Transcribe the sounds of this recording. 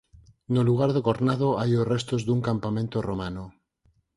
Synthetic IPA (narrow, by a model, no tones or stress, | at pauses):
noluɣ̞aɾðekoɾnaðoajorest̪ozðuŋkampamẽnt̪oromano